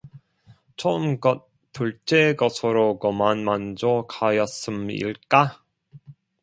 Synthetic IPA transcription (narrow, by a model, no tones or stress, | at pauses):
t͡ɕʰoɯmɡʌt | t͈ːuɭt͡ɕ͈eɡʌsʰɯɾoɡʌmanmand͡ʑokʰajʌs͈ɯmḭɭk͈a